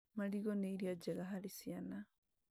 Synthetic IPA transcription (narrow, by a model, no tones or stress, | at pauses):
maliɣoneiɾjad͡ʒeɣaɦalisiana